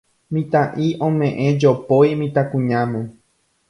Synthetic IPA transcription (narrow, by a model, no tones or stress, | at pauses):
mĩt̪ãʔiʔõmẽʔẽd͡ʒopojmĩt̪akũɲãmẽ